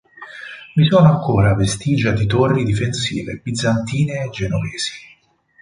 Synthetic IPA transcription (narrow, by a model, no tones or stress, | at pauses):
misɔːnoaŋkoːɾavest̪iːd͡ʒad̪it̪orːid̪ifensḭːvḛbid̪zːant̪iːneːd͡ʒːenovɛːz̥i̥